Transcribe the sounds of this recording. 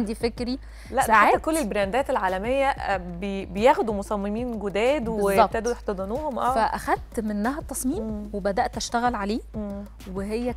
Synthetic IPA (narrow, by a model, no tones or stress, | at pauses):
and̪ifekɾi | læsʔaʕaaːækolːelbɾænd̪æːt̪elʕaːlæmejːæbebejæxd̪umosˤɑmːemiːnɡod̪æːd̪bwezjːˤɑbbt̪æːd̪ujeħt̪ɑd̪ˤɑnuːhomʔæːfæʔæxæd̪̚t̪menːæɦæt̪ːɑsˤmiːmwebæd̪æʔt̪ʔæʃt̪æɣælʕaleː | weɦejːæ